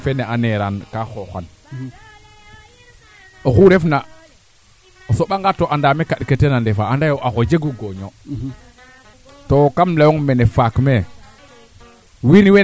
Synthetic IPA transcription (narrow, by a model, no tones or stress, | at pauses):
feneaneɾankaxoxa̰n | oxuɾefna | osoɓaŋɡatoʔandamekaɗketenandefaandajoʔaxod͡ʒeɡuɡoɲo | tokamlajoŋmenefakme | winiwe